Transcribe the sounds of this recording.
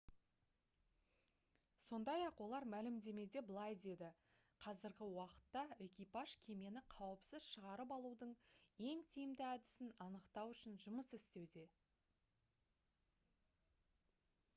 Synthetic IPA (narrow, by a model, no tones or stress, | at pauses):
so̞nd̪ɑjɑqwo̞lˠɑɾmælɪmd̪e̞me̞d̪e̞bəlˠɑjd̪e̞d̪ɪ | qʰɑzɪɾɡʲɪwɑqə̥t̪ːɑe̞kʲijpɑʒkʲʰe̞me̞nɪqʰɑwəpsɪzʃəʁɑɾəpɑlˠud̪əɴje̞ŋt̪ʰijɪmd̪ɪæd̪ɪsɪnɑnəqt̪ɑwʏʃɪnʒʊməsɪst̪e̞wd̪e̞